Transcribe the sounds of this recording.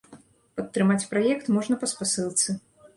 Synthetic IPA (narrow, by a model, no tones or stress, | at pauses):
pɐt̪ːɾɨmat͡sʲpɾajɛkt̪mɔʐnɐpɐspasɨlˠt̪sɨ